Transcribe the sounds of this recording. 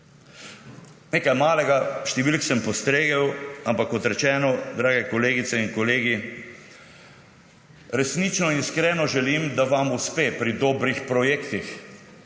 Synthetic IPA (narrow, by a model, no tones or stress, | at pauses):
neːkajmaːlɛɡaʃt̪ɛʋilksɛmpɔst̪ɾeːɡɛwampakːɔt̪ɾɛt͡ʃɛːnɔd̪ɾaːɡɛkoleːɡit̪sɛinkɔleːɡi | ɾɛsnit͡ʃnɔinskɾɛːnɔʒɛlimd̪aʋamuspeːpɾid̪ɔːbɾixpɾɔjeːkt̪ix